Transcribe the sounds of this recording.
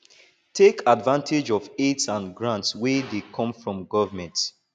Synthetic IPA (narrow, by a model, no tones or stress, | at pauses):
tʰekadvãntʰed͡ʒɔvetsãnɡɹãntswedekʰɔ̃mfɹɔ̃mɡɔvəmɛ̃nt